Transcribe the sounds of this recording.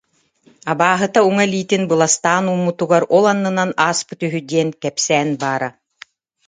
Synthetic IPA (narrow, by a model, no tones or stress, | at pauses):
abaːɦɯt̪auŋaɛliːt̪inbɯlˠast̪aːnumːut̪uɡaɾɔlˠanːɯnanaːspɯt̪yɦyd̪iɛnkɛpsɛːnbaːɾa